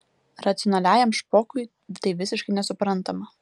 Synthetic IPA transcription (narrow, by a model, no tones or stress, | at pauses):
ɾɐt̪sʲɪɔnɐlʲæːjɛmʃpoːkʊɪ | t̪ɐɪʋʲɪsʲɪʃkɐɪnʲɛsʊpɾɐnt̪ɐmɐ